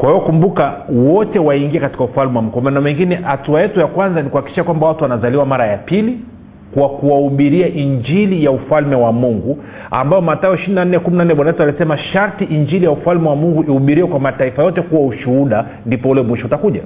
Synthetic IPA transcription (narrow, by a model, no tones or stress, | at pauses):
kwahiwɔkumbukawɔtɛwaiŋɡiɛkati̥kaufalmɛwam̩kamanɔmɛŋɡinɛhatuajɛtujakwanzanikuhaki̥kiʃakwambawatuwanazaliwamaɾajapili | kwakuwauɓiɾiaʔiɲd͡ʒilijaufalmɛwamuŋɡu | a̰mbajɔmatajɔiʃiɾinanɛkuminanɛɓwanajɛtualisɛmaʃaɾtiʔiɲd͡ʒilijaufalmɛwamuŋɡuʔihuɓiɾiwɛkwamataifajɔtɛkuwauʃuhuɗa | ndipɔulɛmwiʃɔutakuʄa̰